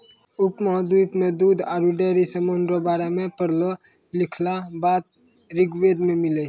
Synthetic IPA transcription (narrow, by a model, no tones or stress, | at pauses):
upmɔɦd̪ut̪med̪ud̪ʱaɾuɖeɾisəmonɾəbaɾemepəɽlɔ | likʰlabat̪̚ | ɾiɡʋed̪memilɛ